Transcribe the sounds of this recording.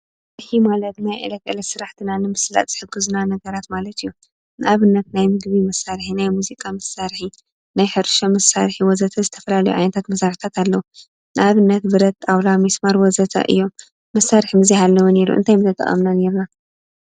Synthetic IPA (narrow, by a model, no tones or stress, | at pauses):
ɨħimalɐt̪najʔɨ̰lɐkʼɨlɐsɨɾaħt̪ʰinanɨmɨsla̰t̪ʼzɨ̥ħɨɡːɨznanɐɡɐɾat̪malɐt̪ɨjːu | nɨʔaβɨnːɐt̪̚najmɨɡβimɐsːaɾħinajmuzikʼamɐsaɾħi | najħɨɾʃomɐsːa̰ɾħiwɔzɐt̪ʰɐzɨt̪ʰɐfɐlalɐjuʕajnɐt̪ʰat̪mɐsaɾħi̥t̪ʰat̪ʰalːɐwu | nɨʔaβɨnːɐt̪bɨɾɐt̪ːʼawlamismaɾwɔzɐt̪ʰɐ̰ʔɨ̰jːo̞m | mɐsːaɾħimɨzhalːɐwune̞ɾṵʔɨ̰nt̪ʰajmɨt̪ʰɐt̪ʼɐ̰χʼɐ̰mnane̞ɾna